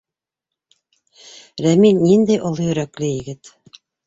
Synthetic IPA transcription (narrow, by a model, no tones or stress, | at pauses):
ɾæminnind̪æjʔŏlˠɤjɵ̆ɾæklɘjɘ̆ɡɘt̪